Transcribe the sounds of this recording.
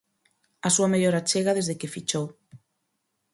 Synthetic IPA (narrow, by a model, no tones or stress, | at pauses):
asuameʎoɾat͡ʃeɣaðezðekefit͡ʃo